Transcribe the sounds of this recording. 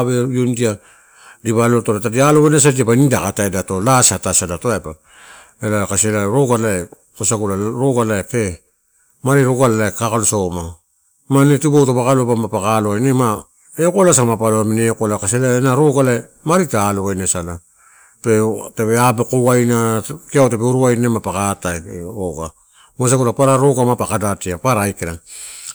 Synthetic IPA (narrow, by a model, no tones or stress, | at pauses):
βejondia | diβalotonatadialoβajnes̬adiapanidakataedato̞lasatasadatoapa | elakaselaeɾo̞ɡalae | kosaɡulaɾoɡalaepe̞ | maɾiɾo̞ɡalalaekakalosama | manetubowtopakalobamapakaloajnema | eokolas̬amapaloamineokolakaselaenaɾo̞ɡalae | maɾitaloβajnesala | petepeabekowajnakiawtepeuɾuajnemapakataeɾoɡa | masaɡulapaɾaɾo̞ɡamapakadatiapaɾaːjkeɾa